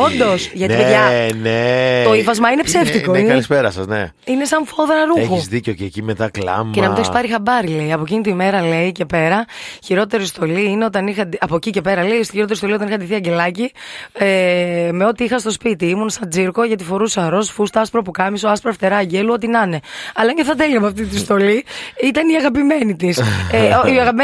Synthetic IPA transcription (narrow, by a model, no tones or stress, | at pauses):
o̞nd̪o̞sʝɐt̪ieɐnet̪oifɐzmɐine̞pse̞ft̪ikoiɐispeɾɐsɐ̰znḛ | ine̞sɐɱfo̞ðɾɐɾuexuzðicocecimet̪ɐklɐ̰mcenɐminoçspɐɾixɐbɐɾile̞iɐpo̞cinit̪oime̞ɾɐle̞icepe̞ɾɐçiɾo̞t̪e̞ɾist̪o̞liine̞o̞t̪ɐnixɐiɐpocice̞pe̞ɾɐle̞iost̪içiɾot̪eɾist̪oiot̪ɐnixɐnd̪iθiɐɟe̞lɐcieme̞o̞t̪iixɐst̪o̞spit̪iimunsɐnd͡ziɾko̞ʝɐt̪ifo̞ɾusɐɾo̞sfust̪ɐɐspɾɐpukɐmisoɐspɾɐft̪e̞ɾɐːɟeluo̞t̪inɐne̞ɐlɐɲɟeθɐt̪eliɐpoɐft̪it̪ist̪o̞liit̪ɐniɐɣɐpime̞nit̪iseoiɐɣɐpim